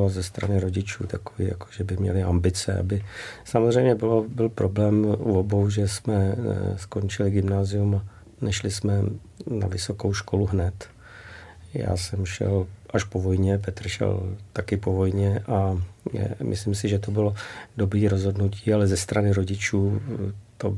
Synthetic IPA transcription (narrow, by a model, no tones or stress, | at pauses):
azɛst̪ɾanɪɾo̞ɟɪt͡ʃuːt̪akovḭːja̰ko̥ʒɛbɪmɲɛ̰lɪambɪt͡sɛ̰ʔa̰bɪsamozr̝ɛjmɲɛbɪlobɪlpɾʔo̞blɛːmobo̞wʒɛsmɛsko̞nt͡ʃɪlɪɡɪmnaːzɪuma | nɛʃlɪsmɛ | na̰vɪso̞kowʃkʰo̞luɦnɛt̪ | ja̰ːsɛmʃɛ̰lʔaʃpo̞vo̞jɲɛp̬ɛt̪r̩ʃɛ̰lt̪akɪpo̞vo̞jɲɛʔa̰ | mʔɪ̰slɪmsɪʒɛt̪obɪlodobɾiːɾozɦo̞dnuciːalɛzɛst̪ɾanɪɾo̞ɟɪt͡ʃuːt̪o